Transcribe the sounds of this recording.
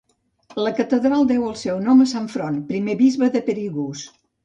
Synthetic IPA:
ləkət̪əðɾalˠd̪ɛwəlˠsɛwnɔməsaɱfɾonpɾimeβizβəðəpəɾiɣus

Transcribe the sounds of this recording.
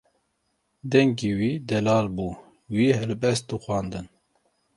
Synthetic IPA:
d̪ɛŋɡiːwiːd̪ɛlɑːlbuː | wiːhɛlbɛst̪̚d̪uxwɑːnd̪ɨn

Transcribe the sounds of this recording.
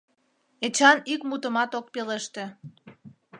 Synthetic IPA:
et͡ɕɑnikmut̪əmɑt̪ok̚peleʃt̪ĕ

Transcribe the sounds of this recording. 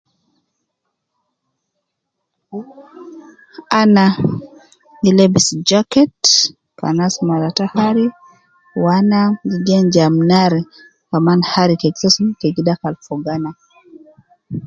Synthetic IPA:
ana | nilɛbisd͡ʒakɛt | pa̰nasmalatahaɾi | wanaɡiɡɛnd͡ʒamnaɾi | kamanhaɾikɛɡsasumkɛɡidakalfɔɡana

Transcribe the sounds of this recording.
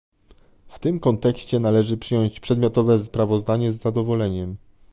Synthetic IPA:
ft̪ɘmkɔnt̪ɛkɕt͡ɕɛnalɛʐɘpʂɘjɔɲ̃ɕt͡ɕpʂɛd̪mjɔt̪ɔvɛspɾavɔzd̪aɲɛzːad̪ɔvɔlɛɲɛm

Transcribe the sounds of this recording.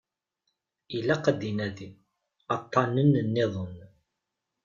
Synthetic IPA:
ilæqəd̪ːinæði | ɑt̪ˤːɑnənnːɪðˤən

